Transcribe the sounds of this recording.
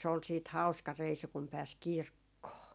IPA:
se ol siːt hɑu̞skɑ reisu kum pæːs kirkːoː

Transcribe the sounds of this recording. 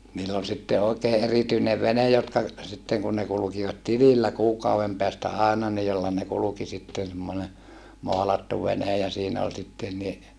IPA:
niːlː ol sitːe oˑekeː ʔerityineʋ ʋenej jotkɑ sitːeŋ kun ne kulukiʋɑt tililːæ kuːkɑuʋem peæstæ ɑˑenɑ ni jolːɑ ne kuluki sitːen̞ semːone moɑlɑtːu ʋenej jɑ siːnæ ol sitːen ni

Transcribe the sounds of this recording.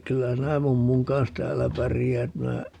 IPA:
kylːæ sinæ mumːuŋ kɑns tæːlːæ pærijæːt minæ

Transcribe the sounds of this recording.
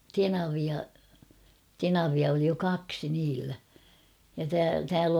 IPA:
tenɑʋiɑ tenɑʋiɑ oli jo kɑksi niːlːæ jɑ tæ tæːl

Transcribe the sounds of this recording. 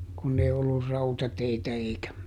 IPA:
kunː ei olːur rɑutɑteitæ eikæ

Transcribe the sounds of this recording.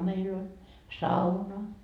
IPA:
meil olʲ sɑunɑ

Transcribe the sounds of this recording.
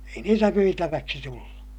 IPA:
ei niːtæ myitæʋæksi tulːu

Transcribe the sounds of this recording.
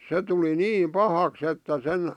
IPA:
se tuli niːm pɑhɑks etːæ sen

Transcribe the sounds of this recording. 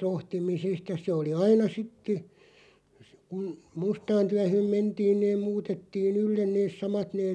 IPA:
rohtimisest jɑ se oli ɑinɑ sitːe kun mustɑːn tyæhøˑm mentiːn neːm̆ muːtetːiːn ylːen neːs̆ sɑmɑt neːr

